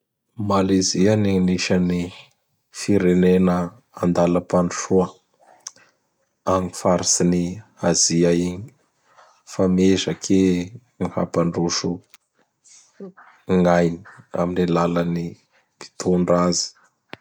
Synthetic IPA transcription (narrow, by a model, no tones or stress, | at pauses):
malizianiniʃani | fiɾenenə | and̪aləpaɳɖ͡ʐu̥ʃuə | aŋifaɾisiniaziaiɲi | famezəkʰe | miha̰paɳɖ͡ʐuʃu | ŋajni̥a̰minilalani | pi̥t̪ʰunɖ͡ʐazi̥